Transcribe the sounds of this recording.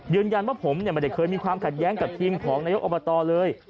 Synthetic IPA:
jɯː˧nja˧nwaː˥˩pʰo˩˦mni˥˩ma˧nda˨˩kʰɤː˧jmiː˧kʰwaː˧mkʰa˨˩t̪̚jɛː˦˥ŋka˨˩p̚t̪ʰiː˧mkʰɔː˩˦ŋnaː˧jo˦˥kʔo˧˩ba˧t̪ɔː˧lɤː˧j

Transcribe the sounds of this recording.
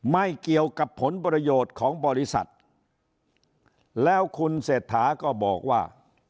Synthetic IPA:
ma˥˩jki˨˩əwka˨˩pʰːo˩˦npɾa˧joː˨˩t̪̚kʰɔː˩˦ŋbɔː˧ɾi˦˥sa̰˨˩t̪̚ | lɛː˦˥wkʰu˧nseː˨˩t̪ʰːaː˩˦kɔː˥˩bɔː˨˩k̚waː˥˩

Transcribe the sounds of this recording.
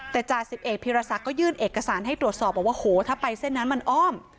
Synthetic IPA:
t̪ɛː˨˩t͡ɕaː˨˩k̚si˨˩p̚ʔe˨˩t̪̚pʰiː˧ɾa˧sa˨˩kːɔː˥˩jɯː˥˩nʔeː˨˩kːa˧saː˩˦nɦa˥˩jt̪ɾu˨˩ət̪̚sɔː˨˩p̚ʔɔː˨˩kwaː˥˩hoː˨˩˦t̪ʰaː˥˩pa˧jse˥˩nːa˦˥nma˧nʔɔː˥˩m

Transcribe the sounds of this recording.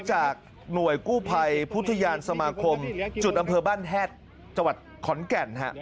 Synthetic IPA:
t͡ɕaː˨˩k̚ | nu˨˩əjkuː˥˩pʰa˧jpʰu˦˥t̪ʰːa˧jaː˧nsa˧maː˧kʰo˧mt͡ɕu˨˩t̪̚ʔa˧mpʰɤː˧baː˥˩nt̪ʰɛː˥˩t̪̚ | t͡ɕa˧ŋwa˨˩t̪̚kʰɔ˩˦nkɛ˨˩nɦa̰˦˥ʔ

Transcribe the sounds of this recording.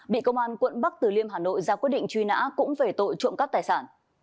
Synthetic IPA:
ɓḭ˧˨kə˧wŋ͡mʔaː˧nkwə̰˧˨nɓa˦˥k̚t̪ɨ˨˩li˧əmɦaː˨˩no̰˧˨jzaː˧kwi˦˥ət̚ɗḭ˧˨ŋ̟t͡ɕwi˧na̰ː˧˥kʊ̰˧˥ŋ͡mve˨˩t̪o̰˧˨jt͡ɕṵ˧˨nka˦˥t̪aː˨˩jsaː˧˩n

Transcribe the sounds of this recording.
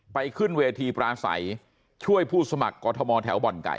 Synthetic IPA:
pa˧jkʰɯ˥˩nweː˧t̪ʰiː˧pɾaː˧sa̰˩˦j | t͡ɕʰu˥˩əjpʰuː˥˩sa˧ma˨˩kːɔː˧t̪ʰɔ˧mɔː˧t̪ʰɛː˩˦˥wbɔ˨˩nka̰˨˩j

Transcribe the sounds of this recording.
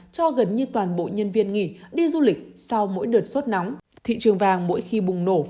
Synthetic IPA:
t͡ɕɔ˧ɣə˨˩nɲɨ˧t̪waː˨˩nɓo̰˧˨ɲə˧nvi˧ənŋḭ˧˨ɗi˧zu˧lï˨˩k̟̚sa˧wmo̰˧˥jɗəː˨˩t̚so˦˥t̚na˨˦wŋ͡m | t̪ʰḭ˧˨t͡ɕɨ˨˩əŋvaː˧˩ŋmo̰˧˥jxi˧ɓʊ˨˩ŋ͡mno˧˩

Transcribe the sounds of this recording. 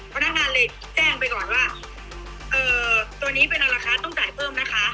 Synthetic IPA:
pʰa˧na˦˥k̚ŋaː˧nlɤː˧j | t͡ɕɛː˥˩ŋpa˧jkɔː˨˩nwaː˥˩ | ʔɤː˧˩˧t̪u˧əniː˦˥pe˧nʔa˧ɾaː˧xaː˧nt̪ɔ˥˩ŋtaː˨˩jpʰɤː˥˩mna˦˥kʰa˦˥ʔ

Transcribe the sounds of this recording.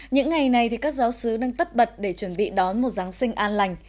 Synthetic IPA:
ɲɨ̰˧˥ŋːa˨˩jna˨˩jt̪ʰi˨˩kaː˦˥k̚zaː˨˦wsɨ˨˦ɗaː˧ŋt̪ə˦˥t̚ɓə˨˩t̚ɗe˧˩t͡ɕwə˧˩nɓḭ˧˨ɗɔ˨˦nmo˨˩t̚zaː˨˦ŋsï˧ŋ̟ʔaː˧nla˨˩jŋ̟

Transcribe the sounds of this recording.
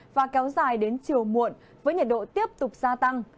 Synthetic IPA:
vaː˨˩kɛ˨˦wzaː˨˩jɗe˨˦nt͡ɕi˨˩əwmṵ˨˧˨ən | vəː˨˦jɲə˨˩t̚ɗo̰˧˨t̪i˦˥əp̚t̪ʊ˨˩k͡p̚zaː˧t̪a˧ŋ

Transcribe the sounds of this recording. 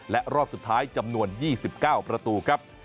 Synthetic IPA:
lɛ˦˥ʔɾɔː˥˩p̚su˨˩t̪ʰːaː˦˥jt͡ɕa˧mnu˧ənjiː˥˩si˨˩p̚kaː˥˩wpɾa˧t̪uː˧kʰɾa˦˥p̚

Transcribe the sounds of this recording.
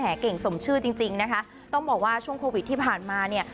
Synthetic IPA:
ɦɛː˩˦ke˨˩ŋso˩˦mt͡ɕʰɯː˥˩t͡ɕi˧ŋt͡ɕi˧ŋna˦˥kʰa˦˥ | t̪ɔ˥˩ŋbɔː˨˩k̚waː˥˩t͡ɕʰu˥˩əŋkʰoː˧wi˨˩t̪ʰːiː˥˩pʰaː˨˩nmaː˧ni˥˩ɐ

